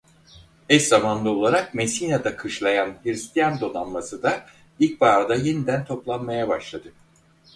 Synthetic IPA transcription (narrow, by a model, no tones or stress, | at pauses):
ɛʃzamanlˠao̞lˠaɾak̚mesinad̪akʰɯʃlˠajanhiɾst̪ʰijand̪o̞nanmasɯd̪a | ilʲc̚baːɾd̪aje̞nid̪ænt̪ʰo̞plˠanmajabaʃlˠad̪ɯ